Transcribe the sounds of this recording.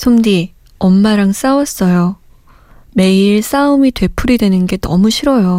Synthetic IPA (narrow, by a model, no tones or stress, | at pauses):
sʰoŋdi | ʌmːaɾaŋs͈awʌs͈ʌjo | me̞iɭs͈aumitwe̞pʰuɾidwe̞nɯnɡe̞nʌ̰muɕʰiɾʌjo